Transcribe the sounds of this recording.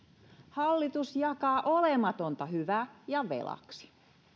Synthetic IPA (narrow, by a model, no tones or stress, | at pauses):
hɑlːit̪usjɑkɑːʔolemɑt̪ont̪ɑhyʋæjɑʋḛlɑ̰ksi̥